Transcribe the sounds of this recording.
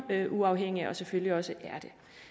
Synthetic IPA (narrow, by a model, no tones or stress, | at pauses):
øʔuɑ̈ʊɦeŋ̰iɒ̽sefølliɒ̽səʔæɐd̥e̝